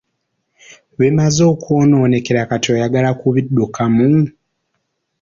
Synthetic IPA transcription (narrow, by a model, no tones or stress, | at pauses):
βemazo̞ːkono̞ːne̞ke̞ɾakatojaɡalakuβidːukamu